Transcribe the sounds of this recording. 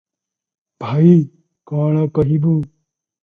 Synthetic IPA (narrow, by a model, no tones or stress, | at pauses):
b̥ʱaːi | kãːɳãkɐɦibuː